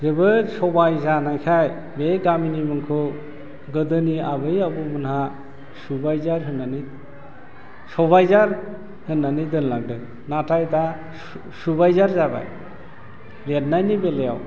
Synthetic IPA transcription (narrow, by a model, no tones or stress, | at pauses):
zɯbɯsɔbajzanajkʰaj | beɡaminimɯŋkʰɯ | ɡɯdɯniabɯjabɯmɯnɦa | subajzaɾɦɯnːani | sɔβajzaɾ | hɯnːanidɯnlak̚dɯ | natʰajda | subajzaɾzaba̰j | let̚najnibeleja̰w